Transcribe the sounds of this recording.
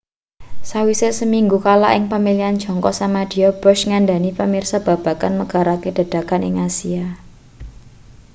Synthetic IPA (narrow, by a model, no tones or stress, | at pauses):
sawisesəmiŋɡukala̰ʔɪŋpamiliand̥ʒ̥ɔ̤ŋkɔʔsamad̥i̤ɔb̥ɔʃŋanɖa̤nipamirsab̥a̤b̥a̤kanməɡ̥a̤ɾaked̥a̤d̥a̤kanɪŋasia